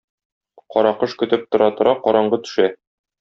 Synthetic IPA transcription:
qɒɾɑqɤʃkɵ̆t̪ɘp̚t̪ŏɾɑt̪ŏɾɑqɒɾɑɴɢɤt̪ɵ̥̆ʃæ

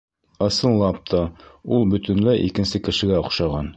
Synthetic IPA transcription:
ɤ̆sɤ̆nlˠɑp̚t̪ʰɑulˠbɵ̆t̪ɘ̆nlæʔḭkɘ̆nsɘkɘ̆ʃɘ̆ɡæŏqʃɑʁɑn

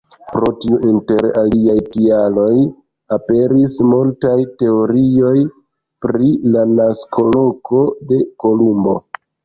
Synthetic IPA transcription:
pɾo̞tiuʔinte̞ɾaliajtialo̞j | ape̞ɾismultajte̞o̞ɾio̞j | pɾilanaskʰo̞lo̞ko̞de̞ko̞lumbo̞̰

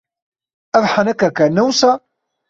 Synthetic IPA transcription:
ævħənækːækːænːæwsæ

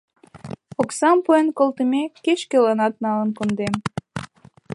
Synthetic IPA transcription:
oksɑmpojenkolt̪əmʲekeʃkelɑnɑt̪̚nɑlənkond̪em

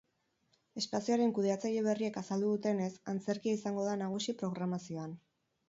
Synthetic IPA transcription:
e̞spasioaɾe̞ŋkuð̞e̞at͡saʎe̞β̞e̞rie̞kasald̪uðut̪e̞ne̞sant͡se̞ɾkiaisaŋɡo̞ðanaɣ̞usipɾo̞ɣ̞ɾamasio̞an

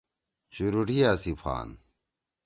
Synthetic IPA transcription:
ɕuɾuʈijaːsifʰa̰ːn

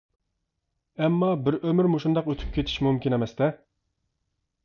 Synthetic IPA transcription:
ɛmːɑbɪɾømyɾmuʃund̪ɑqøt̪ʰy̥p̚kʲʰet̪ʰi̥ʃmumkʲinemɛst̪ɛ

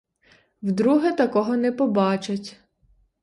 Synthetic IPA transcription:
wd̪ɾuɦɛt̪ɐkɔɦɔnɛpɔbɑt͡ʃɐtʲ

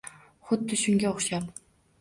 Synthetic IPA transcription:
χʊd̪ːɪʃʊŋɡʲaoχʃap

